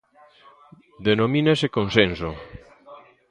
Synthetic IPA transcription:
d̪enomĩnesekonsenso

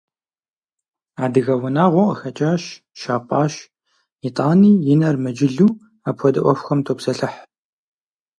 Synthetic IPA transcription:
aːdɨɣɐwʊnaːʁʷɔʔəxɐt͡ʃʼaːʃ | ʃaːpʼaːʃ | itʼaːniːjɪnɐrmɨd͡ʒɪɮuː | apʰʷɔdɐʔʷɔfxɐmtʰoːpsɐɬɨħ

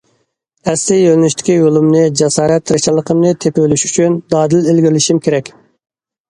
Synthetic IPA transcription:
ɛsɪjølnyʃt̪ʰɪ̥kʲijolˠɨmnɨd͡ʒɛsɑːɾɛt̪ʰːɾɨt͡ʃɑlˠːəqʰəmnɨt̪ʰeplyʃy̥t͡ʃʰynd̪ɑːd̪ɪlɪlɡʲiɾlɪʃimkʲʰeɾɛkʲ

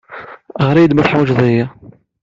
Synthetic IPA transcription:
ʁɾˤæjd̪mæθħwʒðˤæjæ

